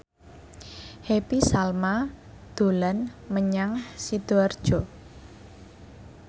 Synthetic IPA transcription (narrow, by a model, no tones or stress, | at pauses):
hepisalma | d̪̥o̤lanməɲaŋsid̪̥oard̥ʒ̥ɔ